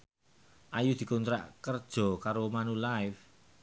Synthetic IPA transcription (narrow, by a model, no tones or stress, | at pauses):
ʔajud̪̥i̤kont̪ɾa̰ʔkərd̥ʒ̥ɔ̤kaɾomanulaɪf